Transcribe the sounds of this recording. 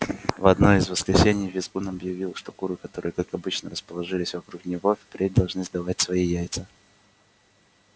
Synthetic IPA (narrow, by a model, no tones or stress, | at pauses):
vɐd̪no̞ɪzvəskɾʲɪsʲenʲɪjvʲɪzkunɐbjɪvʲilˠʂt̪okuɾɨkɐt̪o̞ɾɨjəkakɐbɨt͡ɕnəɾəspəlˠɐʐɨlʲɪsʲvɐkɾuknʲɪvo̞fʲpɾʲet̚ʲd̪ɐlˠʐnɨzd̪ɐvatʲsvɐijæjt̪sə